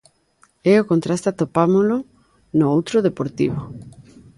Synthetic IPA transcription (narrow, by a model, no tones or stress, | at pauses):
ɛokõnt̪ɾast̪at̪opamolo | noowt̪ɾoðepoɾt̪ḭβo